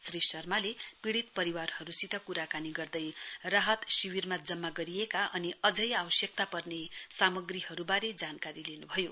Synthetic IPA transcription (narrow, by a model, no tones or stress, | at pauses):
srisʌrmalepiɽit̪pʌɾiwarhʌɾusit̪ʌkuɾakaniɡʌrd̪ʌjraɦʌt̪siwirmad͡zʌmːaɡʌɾijekaʔʌniʌd͡zʌjawʌsjʌk̚t̪apʌrnesamʌɡrihʌɾubaɾed͡zankaɾilenubʱʌjo̰